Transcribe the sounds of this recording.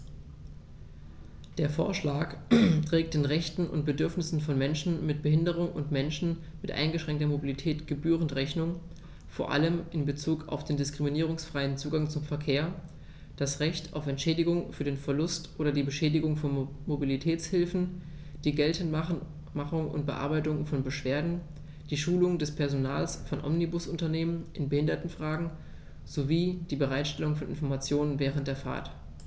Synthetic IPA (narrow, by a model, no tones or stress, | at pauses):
d̥eːɐfo̰ːɐʃlaːktʁ̥ɛːk̚td̥eːnʁɛçtn̩ʔʊ̰nt̚b̥ədʏɐfnɪsn̩fɔnmɛnʃn̩mɪt̚b̥əɦɪndəʁ̞ʊŋʊ̰ntmɛnʃn̩ | mɪtʔa̰ɪnɡəʃʁ̥ɛŋktɐmobilitʰɛːtɡ̥əbyːʁəntʁɛçnʊŋ | foːɐʔa̰ləmʔɪnbət͡suːka̰ʊfd̥eːndɪskʁ̥iminiːʁ̞ʊŋsfʁ̥aɪənt͡suːɡaŋt͡sʊmfɛɐkʰeːɐ | d̥asʁɛçta̰ʊfɛntʃɛːdɪɡʊŋfyːɐdeːnfɛɐlʊstʔoːɾɐdiːbəʃɛːdɪɡʊŋfɔ | mobilitʰɛːt͡shɪlfn̩ | d̥iːɡɛltən̩ | maχʊŋʔʊ̰nt̚b̥əʔa̰ɐbaɪtʊŋfɔnbəʃv̥eːɐdn̩ | d̥iːʃuːlʊŋdɛspʰɛɐzonaːlsfɔnʔɔ̰mnibʊsʔʊntɐneːmənʔɪnbəhɪndɐtn̩fʁ̥aːɡŋ̩ | z̥oviːd̥iːbəʁaɪtʃtɛlʊŋfɔnʔɪ̰nfɔɐmat͡sjoːnənvɛːʁ̞əntd̥eːɐfa̰ːɐt